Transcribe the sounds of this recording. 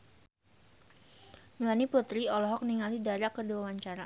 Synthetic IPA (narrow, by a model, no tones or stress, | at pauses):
mlaniput̪ɾiɔlɔɦɔk̚niŋalidaɾakəduawaɲt͡ʃaɾa